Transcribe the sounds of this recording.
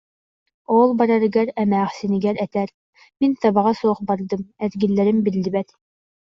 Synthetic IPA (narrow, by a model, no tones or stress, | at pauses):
olˠbɑɾɑɾɡɛɾæmæːχsiniɡæɾɛt̪æɾ | mint̪ɑbɑʁɑsoːχbɑɾd̪ɯmæzɡilːæɾɘmbilːibɛt̪